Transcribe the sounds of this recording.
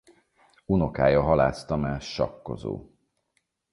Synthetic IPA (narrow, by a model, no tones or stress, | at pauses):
uno̞kaːjɒɦɒlaːst̪ɒmɛʃɒ̰kːo̞̰zo̰ː